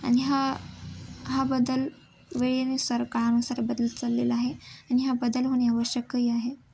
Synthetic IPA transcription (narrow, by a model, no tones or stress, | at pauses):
a̰ñiɦa | ɦabəd̪əl | ʋeɭinesəɾkaɭanusaɾebəd̪əlt͡salːelaɦeañiɦabəd̪əlɦoɽ̃iaʋəɕjəkːəiaɦe